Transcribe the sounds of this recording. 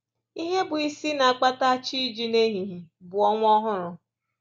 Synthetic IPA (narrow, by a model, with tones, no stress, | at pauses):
i˦ɦe˦bʊ˨i˦si˦na˨a˨k͡pa˦ta˦t͡ʃi˦d͡ʒi˦ne˦ɦi˨ɦi˨bʊ˨ɔ˦ŋʷ˦ɔ˦ɦʊ˦ɾʊ˨